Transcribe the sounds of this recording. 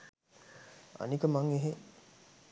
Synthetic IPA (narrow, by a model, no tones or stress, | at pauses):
a̰nikəmaŋeɦe